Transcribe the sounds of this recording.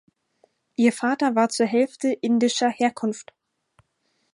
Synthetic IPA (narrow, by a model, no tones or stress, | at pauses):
ʔiːɐfaːtɐvaːɐt͡suːɐɦɛlftəʔɪndɪʃɐheːɐkʰʊnft